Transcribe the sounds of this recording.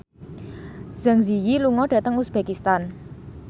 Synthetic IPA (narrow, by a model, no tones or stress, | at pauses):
z̥aŋzijiluŋɔɖ̥ä̤t̪əŋusb̥ekist̪an